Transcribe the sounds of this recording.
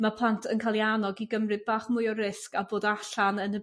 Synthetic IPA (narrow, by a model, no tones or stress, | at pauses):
mapʰlˠantʰənkʰalˠjanɔɡiɡəmrɨðbaːχmʊjɔrɪskaboːdaɬanənə